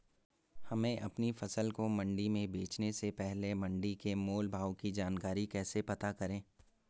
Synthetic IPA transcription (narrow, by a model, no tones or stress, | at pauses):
hɐmẽʔɐpnifɐsəlkomɐ̃ɳɖimẽbeːt͡ʃnesepɛɦlemɐ̃ɳɖikemoːlbʱaːwkid͡ʒaːnkaːɾikɛːsepɐt̪akɐɾẽː